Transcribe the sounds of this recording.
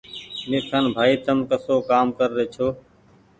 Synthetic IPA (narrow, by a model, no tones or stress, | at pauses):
meːt̪ʰənbʱaːiːt̪əmkəsoːkaːmkəɾːeːt͡ʃʰoː